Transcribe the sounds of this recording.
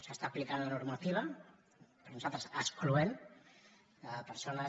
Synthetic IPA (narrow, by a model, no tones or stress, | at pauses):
səst̪aːplikanlanuɾmat̪iβ̞ə | pəɾnuzalt̪ɾəsəskluɛm | əpəɾsona